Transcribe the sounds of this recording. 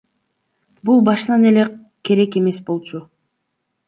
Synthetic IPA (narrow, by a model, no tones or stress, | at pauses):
bulˠbɑʃɯnɑne̞le | kʲʰe̞ɾe̞ke̞me̞sbo̞lˠt͡ʃu